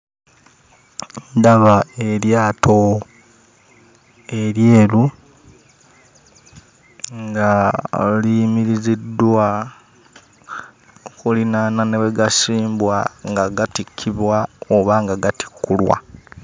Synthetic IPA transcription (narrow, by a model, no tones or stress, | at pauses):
nndaβaeɾjaːto | eɾjeːlu | ŋɡalimiɾizidːwa | okulinananeβeɡasiːmbwaŋɡaɡatikʰːiβwaoβaŋɡaɡati̥kːulwa̰